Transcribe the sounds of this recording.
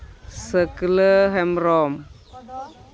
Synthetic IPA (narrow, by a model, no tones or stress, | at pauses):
səkələɦɛmɾɔm